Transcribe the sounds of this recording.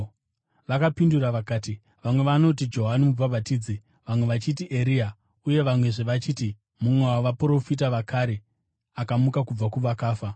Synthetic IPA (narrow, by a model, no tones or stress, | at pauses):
ʋakapinduraʋakaːti | ʋamwe̞ʋano̞t̬id͡ʒo̞ɦanimub͡vabʱatiːd͡zi | ʋamwe̞ʋat͡ʃitiʔeɾia | uje̞ʋamwe̞ʐeʋat͡ʃiːti | mumwewaʋapɾo̞fit̬aʋakaɾe̞ | akamukakub͡vakuʋakaːfa